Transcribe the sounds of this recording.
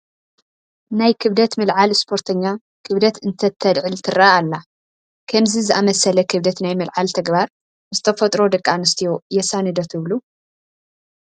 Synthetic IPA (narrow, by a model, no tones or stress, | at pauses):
najkʰɨβd̪ɐt̪mɨlʕalɨspʰo̞ɾt̪ʰɐɲːa | kʰɨβd̪ɐt̪ɨnt̪ʰɐt̪ʰːɐd̪ʕɨlt̪ʰɨraalːa | kʰɐmzizɨʔamɐsɐlɐkʰɨβd̪ɐt̪najmɨlʕalt̪ʰɐɡbaɾ | zɨt̪ʰɐfɐt̪ʼɾo̞d̪ɐkʼːanɨst̪ʰijojɛsanɨd̪ɐt̪ʰɨβlu